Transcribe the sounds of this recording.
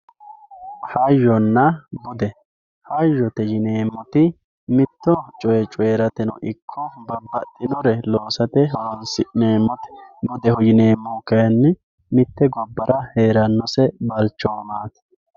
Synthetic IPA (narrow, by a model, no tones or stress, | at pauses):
hɐjːɔnːɐbʊd̪ɛ | hɐjːɔt̪ɛjɪneːmːɔt̪ɪ | mɪt̪ːɔt͡ʃʼɔjɛt͡ʃʼʊeːɾɐt̪ɛnɔ̰ʔɪkʰːɔbɐbːɐt̪ʼːɪnɔɾɛlo̞ːsɐt̪ɛɦɔɾɔnsɪneːmːɔt̪ɛ̥bʊd̪ɛhɔjɪneːmːɔkɐjɐnːɛ | mɪt̪ːɛɡɔbːɐɾɐheːɾɐnːɔsɛbɐlt͡ʃːɔːmaːt̪